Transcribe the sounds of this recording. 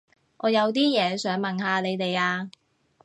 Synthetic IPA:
ʔɔː˨˧jɐ˨˧wt̪̬iː˥jɛː˨˧sœː˨˥ŋmɐ˨˩nhaː˨˧le˨˧jt̪e˨jaː˧

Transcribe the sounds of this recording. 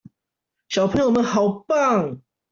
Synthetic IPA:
ɕjɑ˨ʊpʰə˧˥ŋjo˨˩mə˨˦nxɑ˨˩ʊpa˥˨ŋ

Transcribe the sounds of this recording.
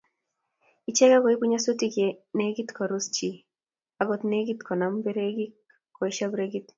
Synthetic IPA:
it͡ʃɛ˦ka˦kɔ˨i˦pu˦ɲa˦so˦ti˦ke˨ne˦ɡi˦tkʰɔ˨ɾʊ˦st͡ʃi˨ | aɡɔ˨t̪ne˦ɡi˦tkʰɔ˨na˨mbe˦ɾe˦ɡi˦ | kɔ˨i˦ʃa˦bɾeɡit

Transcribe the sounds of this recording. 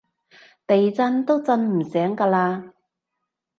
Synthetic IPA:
t̪e˨jt͡sɐ˧nt̪o˥wt͡sɐ˧nm̩˨˩sɛː˨˥ŋkaː˧laː˧

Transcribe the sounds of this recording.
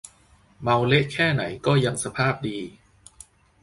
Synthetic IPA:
ma˧wle˦˥ʔkʰɛː˥˩na̰˩˦jkɔː˥˩ja˧ŋsa˧pʰaː˥˩p̚diː˧

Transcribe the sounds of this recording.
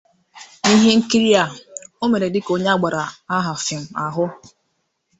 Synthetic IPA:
i˦ɦe˦ŋ̩˦ki˦ɾi˦a˨o˦me˨ɾe˨dɪ˦ko˦ɲe˦a˦ɡ͡ba˨ɾa˨a˦ɦa˨fɪ˨m̩˨a˨ɦʊ˦

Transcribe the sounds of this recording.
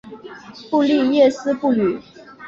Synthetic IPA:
pu˥˧li˥˧jɛ˥˩sɹ̩˥pu˥˩ly˨˩˦

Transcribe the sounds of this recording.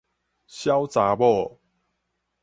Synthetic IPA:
ɕja˦wt͡sa˨˦bɔ˥˨

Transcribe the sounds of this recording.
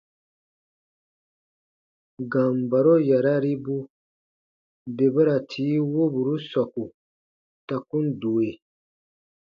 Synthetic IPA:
ɡã˨m˨ba˨ɾo˦ja˨ɾa˦ɾi˦bu˦ | be˨ba˦ɾa˨tʰiː˨˦wo˦bu˨ɾu˦sa˨ku˨ | ta˨kũ˦n˦do˨e˨

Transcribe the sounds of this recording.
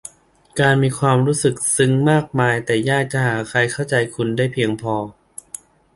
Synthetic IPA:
kaː˧nmiː˧kʰwaː˧mɾuː˦˥sɯ˨˩k̚sɯ˦˥ŋmaː˥˩k̚maː˧jt̪ɛː˨˩jaː˥˩k̚t͡ɕa˧˩haː˩˦kʰɾa˧jkʰa˥˩wt͡ɕa˧jkʰu˧ndaː˥˩jpʰi˧əŋpʰɔː˧

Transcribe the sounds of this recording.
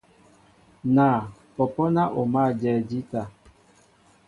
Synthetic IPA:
na˨pɔ˨pɔ˦na˦ʔo˨ma˦˨d͡ʒɛ˨d͡ʒi˦ta˨

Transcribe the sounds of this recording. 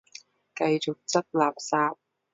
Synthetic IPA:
kɐ˧jt͡sʊ˨k̚t͡sɐ˥k̚laː˨p̚saː˧p̚

